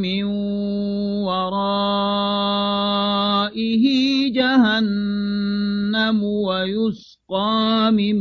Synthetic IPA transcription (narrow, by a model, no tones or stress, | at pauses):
mɪn | wɑɾˤɑː | ʔɪɦɪd͡ʒaɦan | amʊwajʊs | qɑːmɪm